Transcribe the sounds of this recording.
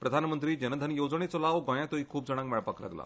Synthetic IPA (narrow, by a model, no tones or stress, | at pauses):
pɾəd̪ʱanmənt̪ɾiːd͡ʑənəd̪ʱənjod͡zɳet͡solaʋɡɔ̃j̃ãt̪oiːkʰuːb̚d͡zəɽ̃ãkmɛɭpakla̰ɡla̰